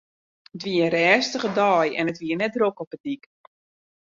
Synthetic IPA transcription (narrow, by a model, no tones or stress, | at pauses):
ətʋiəənrɛːstəχədɔːjɛ̰nətʋiərnɛt̚drokɔpədik